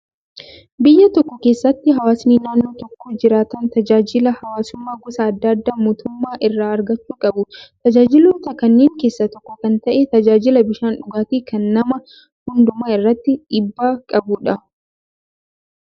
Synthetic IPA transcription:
bɪjːɐt̪ɔkːɔkeːsːɐt̪ːɪɦɐwaːsniːnaːnːo̞ːt̪ɔkːoːd͡ʒɪɾaːt̪ɐnt̪ɐd͡ʒaːd͡ʒɪlɐhɐwaːsʊmːaːɡʊsɐːd̪ːɐd̪ːaːmoːt̪ʊmːaːʔɪrːaːɐɾɡɐt͡ʃːuːkʼɐbʊt̪ɐd͡ʒaːd͡ʒɪloːt̪ɐkɐnːeːŋke̞ːsːɐt̪ɔkːɔkɐnt̪ɐʔet̪ɐd͡ʒaːd͡ʒɪlɐbɪʃaːnᶑʊɡaːt̪iːkɐnːɐmɐ | hʊnd̪ʊmaːɪrːɐt̪ːɪᶑɪbːaːkʼɐbʊᶑɐ

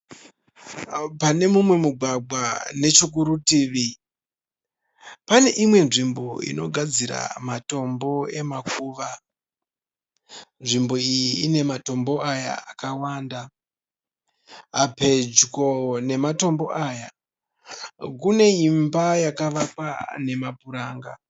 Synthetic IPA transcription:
pane̞mumwe̞muɡʱwaɡ͡bʱwane̞t͡ʃuk̬uɾutiːʋi | pane̞ʔimwe̞nʐimbo̞ḭno̞ɡʱad͡ziɾa̰mato̞mbo̞e̞makuːʋa | nʐimbo̞ijjiːne̞mato̞mbo̞aja̰akawaːnda | pe̞d͡ʒko̞ne̞mato̞mbo̞ʔaja | kune̞imbajakaʋapane̞mabuɾaːŋɡa

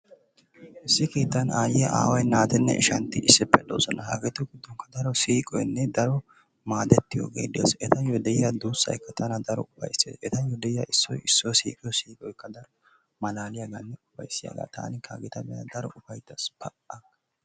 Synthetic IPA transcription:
ʔɪsːɪkiːt̪ːɐnaːjɪjɐʔa̰ːwɐjnaːt̪ɛnːɛ̰ɪ̰ʃɐnt̪ːɪʔɪsːɛpːɛd̪o̰ːsɔnɐha̰ɡɛt̪ːʊɡɪd̪ːɔŋkɐd̪ɐɾɔsiːkʼɔjnːɛd̪ɐɾɔ | maːd̪ɛt̪ːɪjo̰ːɡḛːd̪eːsɛt̪ɐjɔd̪ɛjːɐd̪uːsːɐ̰jkːɐt̪ʰɐnɐd̪ɐɾɔ̰ʊfɐ̰jseːʔɛt̪ɐjɔd̪ɛjːaʔɪsːɔ̰jɪsːɔjsḭːkʼɪjɔsiːkʼɔjkːɐd̪ɐɾ | mɐlaːlɪjɐɡanːɛʊfɐjsːɪjɐ̰ɡa̰ːt̪ʰa̰ːnɪkʰaɡɪt̪ɐmɛjɐ̰d̪ɐɾɔʔʊfɐjt̪ːɐsb̥ɐʔɐ

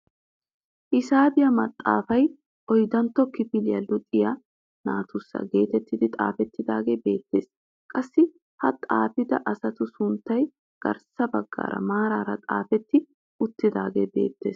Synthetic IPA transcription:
ʔɪsaːbɪjɐmɐt̪ʼːa̰ːfɐj | ʔɔjd̪ɐnt̪ːɔkɪpɪlɪjɐlʊt̪ʼːɪja | na̰ːt̪ʊsːɐ̰ɡe̞ːt̪ɛt̪ːɪd̪ɪt̪ʼa̰ːfɛt̪ːɪd̪aːɡeːbe̞ːt̪ːe̞ːs | kʼɐsːɪ | hɐt̪ʼa̰ːfɪd̪ɐʔɐsɐt̪ʊsʊnt̪ːɐj | ɡ̥ɐ̰ɾsɐbɐɡːa̰ːɾɐ̰maːɾaːɾɐt̪ʼaːfɛt̪ːɪ | ʊt̪ːɪd̪aːɡe̞̰ːbe̞̰ːt̪ːe̞̰ːs

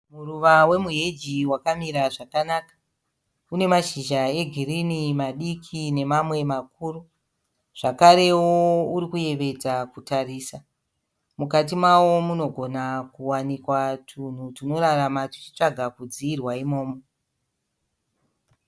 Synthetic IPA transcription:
muruʋawe̞muɦed͡ʒiwakamiɾaʐakanakḁ | une̞maʃiʒae̞ɡʱirinimaɗikʰine̞mamwe̞makuːru | ʐ̥akaɾe̞wouɾikuje̞ʋe̞d͡zakutariːsa | mukat̬imwawo̞muno̞ɡʱo̞nakuwanikwatʰun̤utino̞ɾaramati̥t͡ʃi̥t͡ʂaɡʱakud͡ziːrwaimo̞ːmo

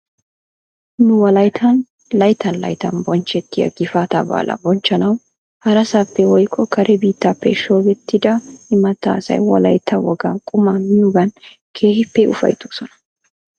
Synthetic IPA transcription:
nʊwɐlɐjt̪ʰɐn | lɐjt̪ːɐnlɐ̰jt̪ɐnbɔnt͡ʃːɛt̪ːɪjɐ̰ɡɪfaːt̪ɐba̰ːlɐ̰bɔnt͡ʃːɐnɐw | hɐɾɐsapːɛwɔjkʼːɔkʰɐɾʔɛbiːt̪ːapːɛ̰ʃoːɡɛt̪ːɪd̪ɐɪmɐt̪ːa̰ːsɐ̰jwɔ̰lɐ̰jt̪ʰːɐwɔɡɐkʼʊmɐmɪjuɡɐn | kʰe̞ːhɪpːɛʊ̰fɐ̰jt̪usɔnɐ̥

